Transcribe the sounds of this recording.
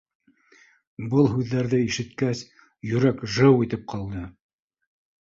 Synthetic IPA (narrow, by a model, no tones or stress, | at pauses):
bɤlˠɦʉðːæɾðɘiʃɘ̆t̪kæs | jɵ̆ɾækʒɤwit̪ɘp̚qʰɑlˠd̪ɤ